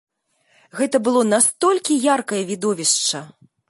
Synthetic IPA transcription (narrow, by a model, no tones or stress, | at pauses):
ɣɛt̪ɐbɨlˠɔnast̪ɔlʲkʲijarkɐjɐvʲid̪ɔvʲiʂt͡ʂɐ